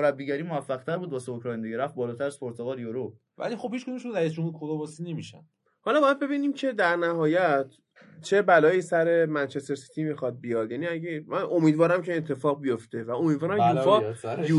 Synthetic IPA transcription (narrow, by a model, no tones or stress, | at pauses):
oɾæbːiːɟæɾimovæfːæɣ̚t̪ʰæɾbuːd̪̚bɒːseokʰɾɒjend̪ejeɾæft̪̚bɒːlɒːt̪ʰæɾæz̥pʰoɾt̪ʰoɣɒːljoɾo | væ̰lixo̞bhiːt͡ʃkod̪umeʃuɾæjisd͡ʒomud̪kʰod̪ɔmbɒsinemiʃæ̰n | hɒlɒbɒjæd̪̚be̞biːniːmcʰe̞d̪æɾnæɦɒːjæt̪ʰ | t͡ʃʰe̞bælɒːjiːsæɾemænt͡ʃʰest̪eɾsi̥t̪ʰimixɒd̪̚bijɒd̪̥jæniæɟemænʔo̞miːd̪vɒːɾæmcʰe̞ːt̪ʰːe̞fɒːɣ̚bijo̞ft̪e̞væo̞miːd̪vɒːɾæmufɒu